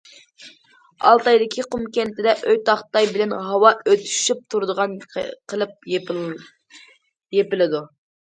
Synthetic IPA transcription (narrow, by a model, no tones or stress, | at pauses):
ɑ̰lˠt̪ɑjd̪ɪkʲʰiqʰumkʲɛnt̪ʰɪd̪ɛʔøjt̪ʰɑχt̪ɑjbɪlɛnɦɑwɑʔøt̪ʰy̥ʃyp̚t̪ʰuɾd̪əʁɑnqʰəlˠɨp̚ | jepɪlɪd̪u